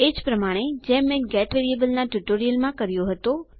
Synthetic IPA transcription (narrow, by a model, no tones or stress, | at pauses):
ed͡ʒpɾəmaɽ̃ed͡ʒɛ̃mẽɡɛʈʋeɾiebəlnaʈjuʈoɾijəlmãkəɾjoɦət̪o